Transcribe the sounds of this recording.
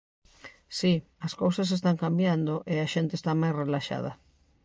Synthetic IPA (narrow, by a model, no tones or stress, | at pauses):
siɐskowsɐs̬es̬t̪aŋkambjand̪oʔeaʃent̪eːst̪amajsrelaʃa̰ð̞ɐ̰